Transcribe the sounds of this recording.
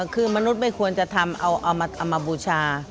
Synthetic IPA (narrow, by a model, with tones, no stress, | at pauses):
kʰɯː˧ma˧nu˦˥t̪̚ma˥˩jkʰu˧ənt͡ɕa˧t̪ʰa˧mʔa̰˧wʔa˧wma˧ʔa˧wmaː˧buː˧t͡ɕʰaː˧